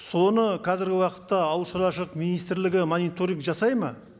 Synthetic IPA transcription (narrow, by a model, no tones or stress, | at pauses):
so̞nəqʰɑzɪɾɡʲɪwɑqə̥t̪ːɑːwʃəɾˠɑʃəqminijst̪ɪɾlɪɡʲɪmonijt̪o̞ɾiŋkʒɑsɑjmɑ̰